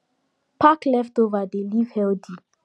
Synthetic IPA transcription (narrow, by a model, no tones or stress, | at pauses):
pʰaklɛftovadelivhɛldi